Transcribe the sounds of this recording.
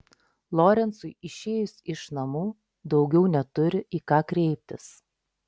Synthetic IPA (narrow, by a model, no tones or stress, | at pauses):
lˠoːɾʲɛnsʊɪɪʃʲeːjʊsʲɪʃnɐmuː | d̪ɒʊɡʲɛʊnʲɛt̪ʊɾʲɪʔiːkɑːkɾʲɛɪpʲt̪ʲɪs